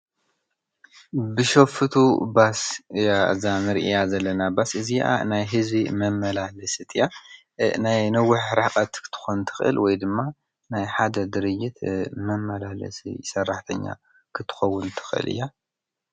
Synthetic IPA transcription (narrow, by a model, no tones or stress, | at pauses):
bɨʃofɨt̪ʰubasjazanɨɾʔijazɐlːɐnabasʔɨzijʔa̰najɦɨzbimɐmːɐlalɐsɨt̪ʰɨja | najnɐwːʊħɾakʼɐt̪kʰɨ̥t̪ʰɨ̥xont̪ʰɨ̥xɨ̰lwɔjd̪ɨmːa | najħad̪ɐd̪ɨɾɨd͡ʒːɪt̪mɐmːɐlalɐ̰sḭjɪ̰sɐrːaħt̪ʰɐɲːa̰ | kʰɨt̪ʰːɨ̥xɐwːʊnt̪ʰɨ̥xʔɨ̰lʔɨ̰jːa